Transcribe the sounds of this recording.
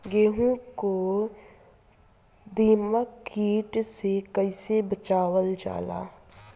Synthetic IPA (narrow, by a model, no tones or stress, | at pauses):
ɡeːɦũko | d̪iːməkiːʈsekəɪsebət͡ʃaːwəld͡ʒa̰ːla̰ː